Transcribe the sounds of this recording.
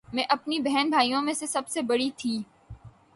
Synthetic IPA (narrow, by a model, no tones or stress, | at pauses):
mɛ̃ʔɐpnibɛɦɛnbʱaːijõmẽsesɐbsebɐɽit̪ʰiː